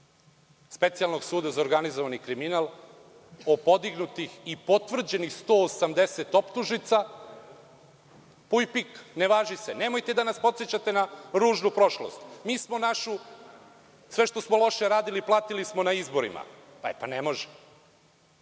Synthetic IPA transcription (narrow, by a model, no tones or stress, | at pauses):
spe̞t̪sialˠno̞ɡsuːd̪azaoɾɡanizoʋanikɾiminalˠ | opo̞d̪iɡnut̪ixipo̞t̪ʋr̩d͡ʑe̞nixst̪o̞ːsamd̪e̞set̪o̞pt̪uʒnit̪sa | pujpikneʋaːʒisene̞mo̞jt̪ed̪anaspo̞t̪set͡ɕat̪e̞naɾuːʒnupɾo̞ʃlo̰st̪miːsmo̞naʃu | sʋeʃt̪osmolˠo̞ʃeɾaːd̪iliplˠaːt̪ilismonaizbo̞ɾḭma̰ | paepanemo̞ʒɛ̥